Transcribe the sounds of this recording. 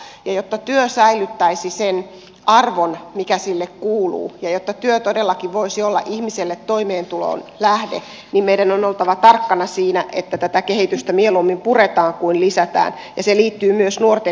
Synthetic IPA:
jɑjot̪ːɑt̪yøsæilyt̪ːæisisen | ɑrʋonmikæsilːekkuːlṵːjɑjot̪ːɑt̪yøt̪odelːɑkiʋʋoisiolːɑ̰ʔihmiselːet̪t̪ːoimeːnt̪ulo̰ːnlæhdḛ | nimmeidænonolt̪ɑʋɑt̪ɑrkːɑnɑsiːnæʔḛt̪ːæt̪æt̪ækehit̪yst̪æmielumːimpuret̪ɑːŋkuinlisæt̪æ̰ːn | jɑseliːt̪ːyːmyøsnuort̪e

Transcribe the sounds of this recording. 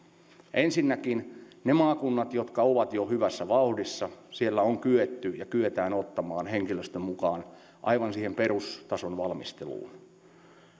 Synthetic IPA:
ʔensinːækinnemɑːkunːɑt̪jot̪kɑoʋɑt̪johyʋæsːæʋɑuhdisːɑsielːæoŋkyet̪ːyjɑkyøt̪æːnot̪ːɑmɑːnheŋkiløst̪ømmukɑːn | ʔɑ̰iʋɑnsiːhemperust̪ɑsonʋɑlmist̪elṵːn

